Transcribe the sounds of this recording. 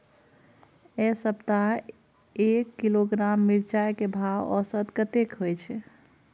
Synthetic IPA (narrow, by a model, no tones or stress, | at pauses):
esəbt̪a | ekːiloɡɾamːiɾt͡ʃajkebʱawɔ̰sət̪kət̪ekɦojt͡ʃʰɛ